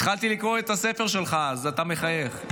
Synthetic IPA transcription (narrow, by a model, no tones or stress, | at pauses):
t̪χalt̪ilikʁoet̪asefe̞ʁʃe̞lχazat̪ame̞χaje̞χ